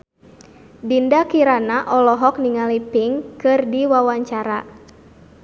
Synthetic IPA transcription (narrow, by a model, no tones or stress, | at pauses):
bindakiɾanaʔɔlɔɦɔk̚niŋalipɪŋkɨrdiwawaɲt͡ʃaɾa